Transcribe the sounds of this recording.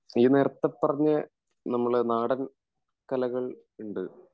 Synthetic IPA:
iːne̞ːɾɐt̪ːɐpːɐrɐɲːɐ | nɐmːɐɭnaːɽɐn | kɐlɐɣɐɭ | uɳɖɨ

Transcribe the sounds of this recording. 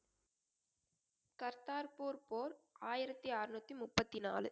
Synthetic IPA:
kɐɾt̪aːɾpuːɾpoːɾaːjɪɾɐt̪ːiaːrnut̪ːimʊpːɐt̪ːina̰ːlɯ

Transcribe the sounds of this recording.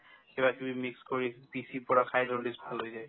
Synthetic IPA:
xebakibimikskoɹipisipɔɹakʰajdɔdisbʱalɦojzaj

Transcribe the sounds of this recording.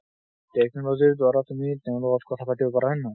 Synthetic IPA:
tekʰnɾoziɾd̪waɾat̪umit̪eʊ̃lokɔtkɔt̪ʰapaʈibokɔɾaɦɔnːa

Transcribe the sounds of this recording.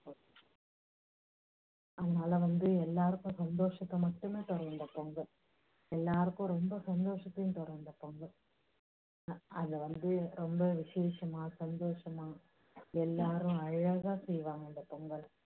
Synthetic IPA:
ɐðɐnaːlɐʋɐnd̪ɯɛlːaːɾɯkːʊ̃sɐnd̪oːʂɐt̪ːɐmɐʈːɯmeːt̪ɔɾɐɾnd̪ɐpːoŋɡɐɭ | ɛlːaːɾɯkːʊ̃ɾɔmbɐsɐnd̪oːʂɐt̪ːɐɪjʊ̃t̪ɔɾɐnd̪ɐpːoŋɡɐɭ | ɐðɐʋɐnd̪ɯɾɔmbɐʋɪʂeːʂɐmaːsɐnd̪oːʂɐmaː | ɛlːaːɾɯ̃ɐɻɐɣaːsɛjʋaːŋɡɐɪnd̪ɐpːoŋɡɐɭ

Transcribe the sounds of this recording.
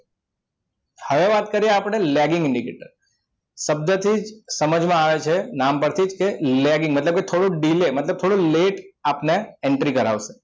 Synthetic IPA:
həʋeʋat̪kəɾieapɳ̃elɛɡɪ̃ŋɡɪɳɖikḛʈə̰ɾ | səb̚d̪ʱət̪ʰid͡ʒsəməd͡ʒmãaʋet͡ʃʰenampəɾt̪ʰid͡ʒkelɛɡɪ̃ŋɡmət̪ləb̚ket̪ʰoɽũɖilemət̪ləb̚t̪ʰoɽũleʈapneɛɳʈɾikəɾa̰ʋse̥

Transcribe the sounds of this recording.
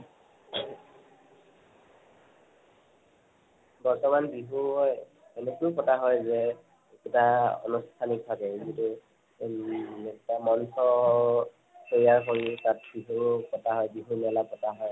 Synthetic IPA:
bɔɹtɔmanbiɦuɦɔj | ɛnukupɔtaɦɔjzɛ | ɛktaɔ̰nustʰanik̚bʱabɛzitu | ɛktamɔnsɔ | soɹiaɹxʰɔɹitat̚biɦupɔtaɦɔjbiɦumɛlapɔtaɦɔj

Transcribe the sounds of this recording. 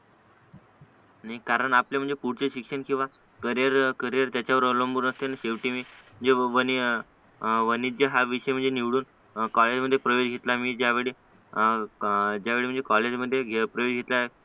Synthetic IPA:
naikaɾəɳapljam̤əɳd͡zepuɽt͡ɕeɕikʂəɳkĩw̃ʋa | kəɾjəɾkəɾjəɾt̪jat͡ɕjaʋəɾolombuɾnəst̪enaɕeʋʈimiːm̤əɳd͡zeʋəni | ʋənid͡ʑəɦaʋiʂəjm̤əɳnd͡zeniʋɽuːn | kɔled͡ʑməd̪ʱːjepɾəjod͡ʑɡʱet̪lamiːd͡ʑjaʋeɭi | d͡ʑjaʋeɭim̤əɳd͡zd͡ʑekɔled͡ʑməd̪ʱːjeɡʱepɾəjod͡ʑɡʱet̪la

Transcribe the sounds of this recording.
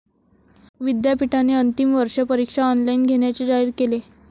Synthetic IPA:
ʋid̪japiʈaneənt̪imʋəɾʂapəɾikʂaɔnlainɡʱeɽ̃jat͡ɕed͡zaiːɾkele

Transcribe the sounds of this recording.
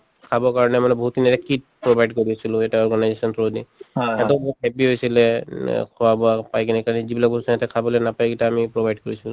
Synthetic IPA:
kʰabɔkaɹɔnɛmanɛbɔɦut̚intɛkit̚ | pɹobajɖkoɹiasilʊ̃etaɔɹɡanajzesɔntʰɹodiɛtɔbɔɦut̚ɦɛpiɦojsilɛkʰɔwabɔapajkɛnɛkaɹɔnizibilaboutsɔɛtɛkʰabɔlɛnapajkitaːmipɹobʱajɖ̚koɹisilʊ̃

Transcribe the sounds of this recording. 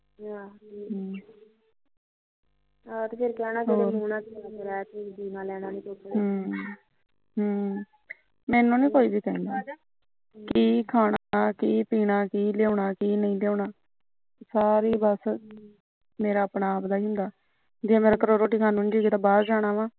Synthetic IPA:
at̪epʰɪɾkɛːnaːd͡ʒeonuːnãːkaeɾɛːt̪ʰed͡ʒiːnãːlɛːñaːnĩːtoːɦ | ɦː | mɛːnõːnĩːkoːiːbiːkɛ̃ːnd̪aː | kiːkʰaːɽakiːpiːɽaːkiːljeoːɳaːkiːnəĩːljoːɳaː | saːɾiːbəs | meːɾaːəpɳaːpd̪aːiːɦʊ̃nd̪aː | d͡ʒeːmeːɾaːkəɾoːɾoːʈiːkʰaːnũnːd͡ʒiːɡeːt̪aːbaːɾd͡ʒaːɽ̃aːʋãː

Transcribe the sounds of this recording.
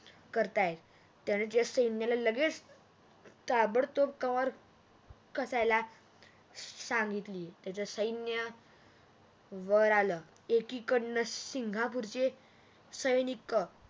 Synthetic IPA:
kəɾt̪ajet̪ | t̪jañet̪jasəjnjalaləɡet͡s | t̪abəɽt̪op̚kəʋəɾ | kəsajla | sãŋɡit̪lit̪jat͡səsəjnjə | ʋəɾalə | ekikəɳːəsiŋɡʱapuɾt͡ɕe | səjnikːə

